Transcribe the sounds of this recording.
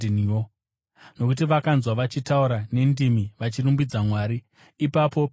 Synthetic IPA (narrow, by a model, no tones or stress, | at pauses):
nijo | no̞kut̬iʋakanzwaʋat͡ʃitauɾane̞ndimiʋat͡ʃirumbid͡zamwaːɾiː | papo̞